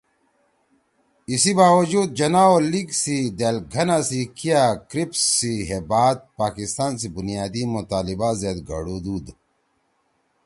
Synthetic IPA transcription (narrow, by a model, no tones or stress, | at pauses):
isibaːwɐd͡ʑuːd̪̚d͡ʑɐnaːoliɡsid̪eːlɡʱɐnasikijakɾipsːiɦebaːd̪̚paːkist̪aːnsibunijaːd̪imut̪aːlibazeːd̪ɡɐ̰ɽud̪uːd̪